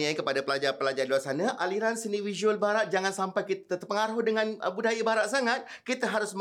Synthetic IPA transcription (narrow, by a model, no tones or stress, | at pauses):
ajkəpadapəlad͡ʒarpəlad͡ʒariluarsanaʔaliɾansiniwid͡ʒuəlbaɾat̪̚d͡ʒaŋansampajkit̪t̪ət̪əpːəŋaɾɦʊhdəŋãnəbudajabaɾaʔ̪̚saŋat̪̚ | kit̪əɦaɾʊsm